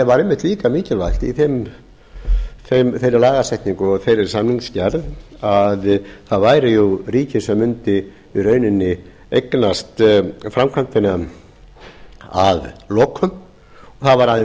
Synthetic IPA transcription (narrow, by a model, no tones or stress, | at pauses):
ɛvaɾemːɪht̪liːkamiːcɪlval̥t̪ḭθem | θemθejɾɪlaːɣasɛjht̪niŋkʏɔɣθejɾɪɾ̥samniŋkscaɾðaðθaðvaːjɾɪjuriːcɪsɛmːʏnt̪ɪ | yrœːɥnɪnːɪ | ejknast̪fɾamkʰvant̪ɪna | a̰ðlokʰʏm | ɔθaðvaɾaðɪ